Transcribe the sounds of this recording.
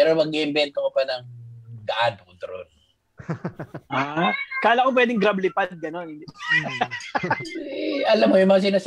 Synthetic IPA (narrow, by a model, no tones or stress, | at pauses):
ɛɾomɐɡɪɪnbɛnt̪̚kɐmopɐnɐŋɡɐʔad̪̚ʊd̪ɾo̰n | ʔaːkaːlakopwɛːd̪ɪŋɡɾablɪpad̪̚ɡɐnonhɪnd̪ | ʔɐlamːojʊŋmɐŋas̬ɪnaːs